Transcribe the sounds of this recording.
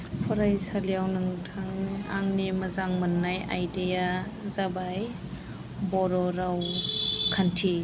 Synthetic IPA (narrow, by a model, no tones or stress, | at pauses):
pʰɔɾajsalijawnɯŋtʰaŋnia̰ŋnimɐzaŋmɐnːajʔa̰jdejazabaj | bɔɾɔɾawkʰantʰi